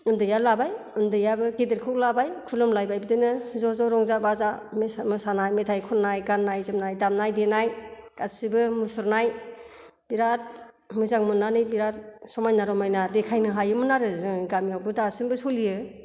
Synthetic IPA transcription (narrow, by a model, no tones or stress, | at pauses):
ɯndɯjalabaj | ɯndɯjabɯɡidɯɾkʰɯk̚labajkʰulɔmlajbajbidɯnɯzɔzɔɾɔŋzabazammɯsanajmetʰajkʰɔnajɡanːajzɯmnajdamnajdenajkasibɯmusɔɾnaj | b̥iɾat̚ | mɯzaŋmɯnanɯjbiɾat̚sɔmajnaɾɔmajnadekʰajnɯɦajɯmɯnaɾɯzɯŋɡamijawɡɯdasɯŋbɯsulijɯ